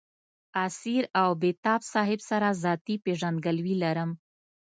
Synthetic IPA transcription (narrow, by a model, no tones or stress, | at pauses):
asiɾawbet̪ɑbsɑɦɪbsaɾazɑt̪ipeʐand̪ɡəlwilaɾəm